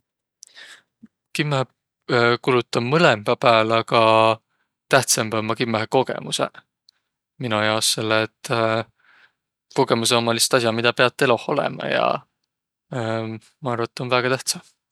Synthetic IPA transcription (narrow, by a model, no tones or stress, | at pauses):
kimːɑh | kulut̪ːˑɑmmɤlemb̥ɑpæːlɑɡɑ | t̪æht̪sembɑmːɑkimːɑɦeko̞ɡ̥ḛmusḛ | minujɑosːe̞lːet̪ː | ko̞ɡ̥e̞mus̬eomːɑlist̪ɑs̬ʲjɑmid̪̥ɑpe̞ɑt̪ːe̞lo̞hˑo̞lḛmɑ̰jɑ̰ | mɑɑrvɑt̪ːˑo̞nvæːɡ̥ɑt̪æht̪sɑ